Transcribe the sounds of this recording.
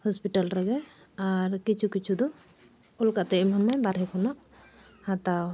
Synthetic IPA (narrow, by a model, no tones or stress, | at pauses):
hɔspiʈalɾɛɡɛ | aɾkit͡ʃʰukit͡ʃʰud̪ɔ | ɔlkaʔt̪ɛimɔnmajbaɾɛkʰɔnɔʔ | hãt̪a